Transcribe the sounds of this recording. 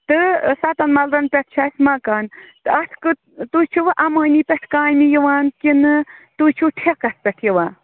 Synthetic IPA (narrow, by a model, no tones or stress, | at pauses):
t̪ɨsat̪ɐnmɐlɾɐnpʲeɛʈʰt͡ʃʰaːsʲmaːkaːnt̪ɨɐʈʰkɨ | t̪uːt͡ʃʰuʋɐʔɐmɐːniːpʲɛʈʰkaːnijiʋaːnkinɨt̪uːt͡ʃʰuʈʰekɐspʲɛʈʰjiʋaː